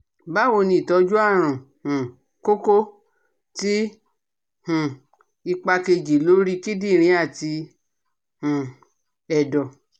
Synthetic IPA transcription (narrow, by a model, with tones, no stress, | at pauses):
ba˦wo˧nĩ˧i˨tɔ˨˦d͡ʒu˦a˦˨ɾ̃ũ˨ | hũ˨ | ko˦ko˦ | ti˦ | hũ˨ | i˧k͡pa˧ke˧d͡ʒi˨lo˦ɾi˦ki˦di˦˨ɾ̃ĩ˧˦a˦˨ti˧ | hũ˨ | ɛ˨dɔ˨